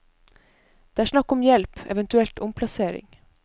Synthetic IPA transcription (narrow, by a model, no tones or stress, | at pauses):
d̪̥eːæːʂnɑkːɔmjɛlpɛ̰ʋɛnt̪ʉɛlt̪ʊmpʰlɑseːɾɪ̰ŋ